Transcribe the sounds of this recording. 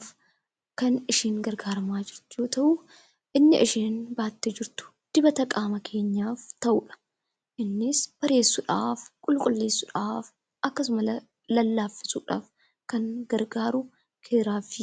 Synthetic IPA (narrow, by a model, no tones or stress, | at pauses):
f | kɐnɪʃiːŋɡɐɾɡaːɾɐmaːd͡ʒɪɾt̪ʊjoːt̪ɐʔu | ʔɪnːɪʔɪʃeːnbaːt̪ːɛd͡ʒɪɾt̪ʊ̥ | d̪̥ɪbɐt̪ɐkʼaːmɐkʰe̞ːɲːaːft̪ɐʔʊᶑɐ̥ | ʔɪnːɪsb̥ɐɾe̞ːsːʊᶑaːfkʼʊlkʼʊlːe̞ːsːʊᶑaːf | ʔɐkːɐsʊmɐlɐ | lɐlːaːfːɪ̥suːᶑa̰ːf | kɐŋɡɐɾɡaːɾʊ | kʰeːɾaːfɪ